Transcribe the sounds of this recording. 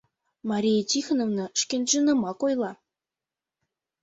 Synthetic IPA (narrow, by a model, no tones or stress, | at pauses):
mɑɾʲijetʲixnovnɤ̆ʃkʲenʲʒɯnɤ̆mɑkojlˠɑ